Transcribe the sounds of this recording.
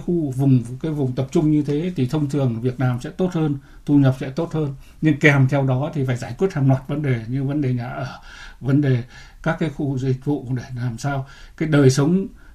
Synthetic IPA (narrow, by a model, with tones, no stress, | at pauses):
xu˧vʊ˨˩ŋ͡mkaː˨˦jvʊ˨˩ŋ͡mt̪ə˨˩p̚t͡ɕʊ˧ŋ͡mɲɨ˧t̪ʰe˨˦t̪ʰi˨˩t̪ʰə˧wŋ͡mt̪ʰɨ˨˩əŋvi˨˩ət̚nlaː˨˩msɛ̰˧˥t̪o˦˥t̚həː˧n | t̪ʰu˧ɲə˨˩p̚sɛ̰˧˥t̪o˦˥t̚həː˧n | ɲɨ˧ŋkɛ˨˩mt̪ʰɛ˧wɗɔ˨˦t̪ʰi˨˩faː˧˩jzaː˧˩jkwi˦˥ət̚haː˨˩ŋlwaː˨˩t̚və˨˦nɗe˨˩ɲɨ˧və˨˦nɗe˨˩ɲa̰ː˧˨ʔəː˧˩və˨˦nɗe˨˩ | kaː˦˥kːaː˨˦jxu˧zï˨˩k̟̚vṵ˧˨ku˧˩ə˨ɗe˧˩laː˨˩msaː˧wkaː˨˦jɗəː˨˩jsə˨˦wŋ͡m